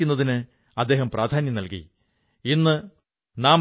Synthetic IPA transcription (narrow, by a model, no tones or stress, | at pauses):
unːɐðinɨ | ɐd̪ːe̞ːɦɐmpraːd̪ʱaːnjɐmnɐlkḭ | inːɨ | naːm